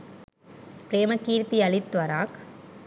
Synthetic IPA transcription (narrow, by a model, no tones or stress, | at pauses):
pɾeːmɐkːiːɾt̪iɐɭɪt̪ːʋɐɾaːk